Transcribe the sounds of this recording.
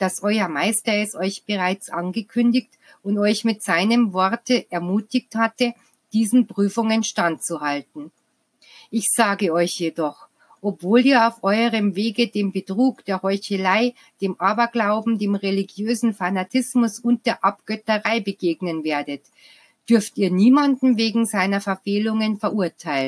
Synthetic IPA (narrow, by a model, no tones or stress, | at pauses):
d̥asʔɔʏɐmaɪstɐɛsʔɔʏçb̥əʁaɪt͡sʔanɡəkʰʏndɪçt | ʊntɔʏçmɪtz̥aɪnəmvɔɐtəʔɛɐmuːtɪçthatə | d̥iːzn̩pʁ̥yːfʊŋənʃtant̚t͡suhaltn̩ | ʔɪçz̥aːɡəɔʏçjedɔχ | ʔɔpv̥oːliːɐaʊfʔɔʏəʁəmveːɡədeːmbətʁ̥uːkd̥eːɐhɔʏçəlaɪ | d̥eːmʔaːbɐɡlaʊbm̩deːmʁeliɡjøːzn̩fanatʰɪsmʊsʊnt̚d̥eːɐʔap̚ɡ̥œtəʁaɪbəɡeːɡnənveːɐdət | d̥ʏɐftiːɐniːmandn̩veːɡŋ̩zaɪnɐfɛɐfeːlʊŋənfɛɐʔuɐtʰaɪlnn